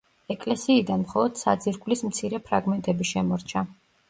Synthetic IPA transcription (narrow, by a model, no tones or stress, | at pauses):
ɛkʼlɛsiːd̪anmχɔlˠɔd̪̥sa̰d̪ziɾɡvlismt̪sʰiɾɛpʰɾaɡmɛnt̪ʼɛbiʃɛmɔɾt͡ʃʰa